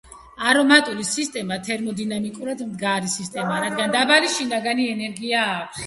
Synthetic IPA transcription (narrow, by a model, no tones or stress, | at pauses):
aɾɔmat̪ʼulisist̪ʼɛmat̪ʰɛɾmɔd̪inamikʼuɾad̪md̪ɡaɾisist̪ʼɛmaɾad̪ɡand̪abaliʃinaɡaniɛnɛɾɡiaːkʰs